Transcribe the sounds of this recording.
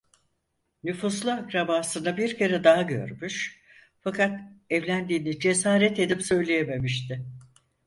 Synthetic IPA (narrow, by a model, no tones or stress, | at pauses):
nyfuslˠɯakɾabaːsɯnabiɾcʰe̞ɾɛd̪aɦaɟø̞̰ɾmyʃ | fakʰat̪ɛvlʲænd̪iːnid͡ʒe̞saːɾɛt̪e̞d̪ipsø̞jlʲejeme̞miʃt̪ʰɪ